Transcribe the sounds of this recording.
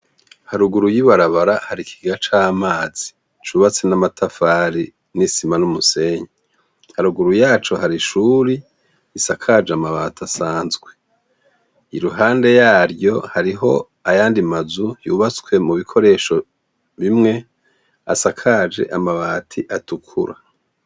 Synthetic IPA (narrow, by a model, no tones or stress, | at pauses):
haɾuɡuɾujiβaɾaβaɾahaɾikʰi̥ɡat͡ʃaːmaːz̥i̥ | t͡ʃuːβat͡senamatʰafaːɾi | nisimanumuse̞ɲe | haɾuɡuɾujaːt͡ʃo̞haɾiʃuɾi | isakʰad͡ʒeamaβaːtʰasaːnzɡwe̞ | iɾuɦaːnde̞jaːɾjo̞haɾiɦo̞̰ | ajaːndimazujuːβat͡swe̞muβikʰo̞ɾe̞ʃo̞ | βimŋe̞ | a̰sakʰaːd͡ʒe̞̰ʔamaβaːtʰiʔatukʰṵɾa